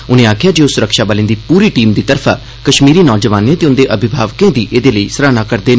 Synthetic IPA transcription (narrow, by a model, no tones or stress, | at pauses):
ʊnẽːaːkʰɪjaːd͡ʒeʊsʊɾəkʃaːbəlẽːnd̪iːpuːɾiːʈiːmd̪iːt̪əɾfʰaː | kəʃmiːɾiːnɔːd͡ʒəʋaːnẽːt̪eːʊnd̪eːʔəbʱɪbʱaːʋkẽːd̪iːʔeːd̪eːləiːsəɾaːnaːkəɾd̪eː